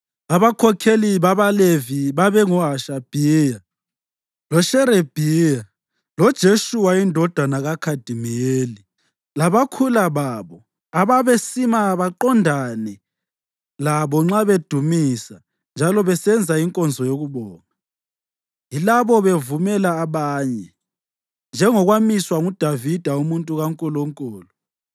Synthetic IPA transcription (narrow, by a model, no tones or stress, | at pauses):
aβakʰɔkʰeliβaβaleviβaβɛŋuɦaʃab̥ʱiːja | lɔʃɛɾeb̥ʱija | lɔd̥ʒ̥ʱeʃuwaindʱɔd̥ʱwanaɣakʰad̥ʱimijeːli | laβakʰulaβaːβɔ | aβaβesimaβaǃɔndʱanɛ | laβɔŋ͡ǁaβed̥ʱumisa | nd͡ʒʱalɔβɛsɛnd͡zʱaiŋkʼɔnd͡zʱɔjoɣuβɔːna | ilaβɔβevumɛlaːβaːɲɛ | nd͡ʒʱɛŋɔɣwamiswaŋud̥ʱavid̥ʱaumuntʼuɣaŋkʼɔlɔŋkʼɔːlɔ